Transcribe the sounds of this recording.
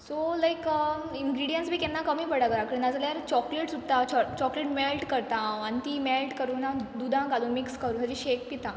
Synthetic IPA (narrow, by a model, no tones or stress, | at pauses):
solajkə | inɡɾiɽijənsbʱiːkɛnːakəmiːpəɽaɡɾakəinad͡zljaɾt͡ɕɔkleʈsut̪ːat͡ɕɔkleʈmelʈkəɾt̪ãanit̪iːmelʈkəɾuːnad̪ud̪ʱãɡaluːnmikskəɾuːnt̪əd͡ʑiɕek̚pit̪ã